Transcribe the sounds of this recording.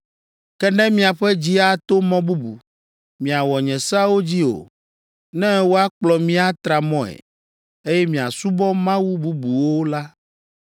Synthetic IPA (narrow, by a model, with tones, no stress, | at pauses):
kɛ˦nɛ̃˦mĩ˦a˨ɸɛ˦d͡ʑi˦a˦t̪o˦mɔ̃˦bu˦bṵ˨ | mĩ˨a˨wɔ˨ɲɛ̃˨sa˦wo˦d͡ʑi˦o̰˨ | nɛ̃˦wo˦a˦k͡plɔ˨mĩ˦a˦t̪ɾa˨mɔ̃˦ɛ̰˨ | e˦jɛ˦mĩ˨a̰˨su˦bɔ˦mã˦wu˦bu˦bu˨wo˦la˦